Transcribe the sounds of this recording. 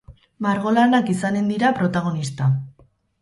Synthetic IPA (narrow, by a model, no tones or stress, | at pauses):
maɾɣo̞lanakisane̞nd̪iɾapɾo̞t̪aɣ̞o̞nist̪a